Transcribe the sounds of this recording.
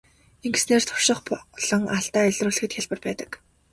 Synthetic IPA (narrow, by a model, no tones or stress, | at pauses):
eŋɡesneːrt̪ʰʊ̥rʃɪ̆χpɔɮ̥ɞ̆ŋaɮt̪aːæɮʲrʊːɮɘ̆xɘ̆t̪xʲjaɮpə̆rpæːt̪ə̆k